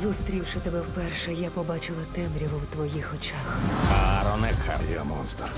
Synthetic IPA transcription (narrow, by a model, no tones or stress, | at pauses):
zust̪ɾʲiwʃɪt̪ɔbɛwpɛrʃɛjapɔbɑt͡ʃɪlˠɐt̪ɛmɾʲiʋʊwt̪ʋɔjixɔt͡ʃaxkaɾɔnɛkʰa̰jḭɔ̰mɔnst̪ɐ